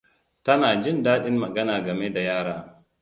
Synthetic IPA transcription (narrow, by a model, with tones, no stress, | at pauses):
tɐ˦naː˨d͡ʒɪ˦ndaː˦ɗɪ˦mmɐ˨ɡɐ˦naː˨ɡɐ˨me˦da˨jaː˦ɽaː˦